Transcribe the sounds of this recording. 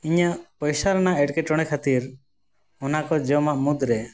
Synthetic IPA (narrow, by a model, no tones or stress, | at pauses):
iɲaʔpɔjsaɾɔnaɛɖkɛʈɔɽ̃ɛkʰat̪iɾ | ɔnakɔd͡ʒɔmaʔmud̪ɾɛ